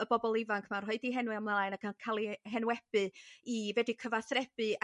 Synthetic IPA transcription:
əbɔbɔlˠɪvaŋkʰmarɦɔɨdiɦɛnwɨamlˠajnakʰakʰalˠiɦɛnwɛb̥ɨivɛdikʰəvaθrɛb̥ɨ

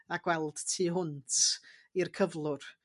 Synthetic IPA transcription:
aɡ̥wɛlˠd̥tʰiːɦʊntʰirkʰəvlˠʊr

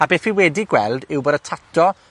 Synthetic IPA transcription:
abeːfiwɛdiɡwɛlˠdɪwboːdətʰatʰɔ

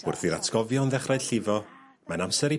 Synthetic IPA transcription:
ʊ̰rθiɾatʰɡ̥ɔvjɔnðɛχrajd̥ɬɪvɔ | manamsɛɾi

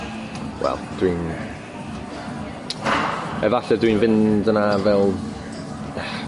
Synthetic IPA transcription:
wɛ̰lˠd̥win | ɛvaɬɛdwinvɪndənavɛlˠ

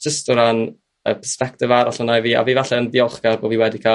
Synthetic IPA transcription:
d͡ʒ̥əstəɾan | ə̰pʰə̥spɛk̚tɪvaɾɔɬənajviːa̰viːvaɬɛəndɪɔlˠχɡ̥arboːviːwɛdikʰaː

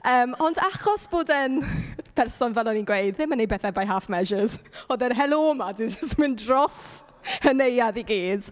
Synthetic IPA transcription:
əːmɔndaχɔsb̥oːdənpʰɛrsɔnvɛlˠɔninɡwejdðɪmanejbɛːθɛbajɦaːfmɛʒəz̥ɔðɛnɦɛlˠoːmadɪnd͡ʒəstmɪndrɔs | hənejaðiɡiːd̥

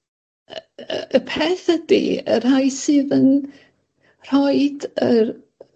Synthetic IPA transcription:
əpʰeːθədḭə̰rhajsɨːðən | r̥ɔɨdər

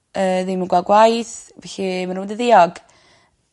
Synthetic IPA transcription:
əːðɪmənɡwaɡwajθvɛɬimanumdəðɪɔɡ̥

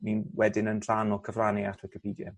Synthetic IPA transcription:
minwɛdɪnənr̥anɔkʰəvraːniatʰwɪkʰəpʰiːdjɛ̰

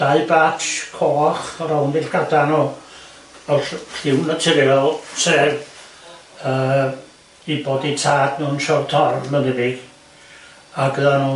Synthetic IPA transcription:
d̥aɨbakʰoːχɔɾawnvɪɬɡ̥adanɔ | ɔɬɬɪwnətʰɪɾɪɔlseːv | əː | iboditʰaːdnuːnʃɔrtʰɔrmənɪbɪɡ̥ | aɡəðanuː

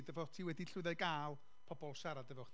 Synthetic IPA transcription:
dəvɔtʰiwɛdiɬʊðɛɡaːlˠ | pʰɔbɔlˠʃaɾadəvɔwχ

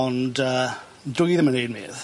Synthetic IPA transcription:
ɔndəː | dʊjðəmənejd̚mḛːð

